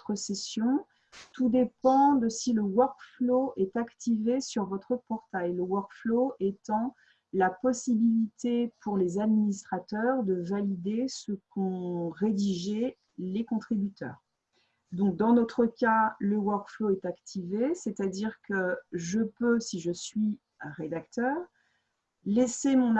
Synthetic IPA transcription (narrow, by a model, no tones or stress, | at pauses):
t̪χəsesjɔ̃ | t̪ud̪epɑ̃d̪əsiləwaʁkfloɛt̪akt̪ivesyʁvɔt̪χəpɔʁt̪aeləwaʁkfloʔet̪ɑ̃ | lapɔsibilit̪ʰepʰuʁlezad̪minist̪χat̪œʁd̪əvalid̪esəkɔ̃ʁed̪iʒɛ | lekɔ̃t̪χibyt̪œ̰ːʁ | d̪ɔ̃k̚d̪ɑ̃nɔt̪χəkaləwœʁkfloɛt̪akt̪ʰivesɛt̪ad̪iʁkəʒəpøsiʒəsɥi | ʁed̪akt̪œːʁ | lesemɔ̃n